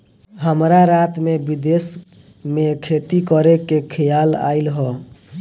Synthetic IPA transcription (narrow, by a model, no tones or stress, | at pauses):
ɦəmɾaɾat̪mebid̪es | mekʰet̪ikəɾekːekʰəjala̰ilɦɔ